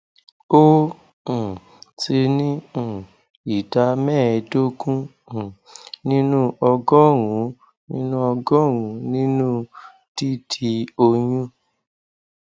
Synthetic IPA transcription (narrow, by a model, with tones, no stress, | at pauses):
õ˦˨ | ti˧nĩ˦˨ | i˨ta˧˦mɛ̃˦˨˧do˦kũ˦˨ | nĩ˦nũ˦ɔ˧ɡɔ˦ɾũ˨˦ | nĩ˦nũ˦ɔ˧ɡɔ̃˦ɾũ˨˦nĩ˦nũ˦ | ti˦tʰi˧o˧jũ˦